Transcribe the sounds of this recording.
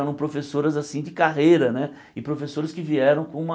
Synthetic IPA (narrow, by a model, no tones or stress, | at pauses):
ɛɾɐ̃w̃pɾofesoɾɐzasĩd͡ʒɪkaɦejɾɐnɛ | ɪpɾofesoɾɐskɪviɛɾɐ̃w̃kõũmɐ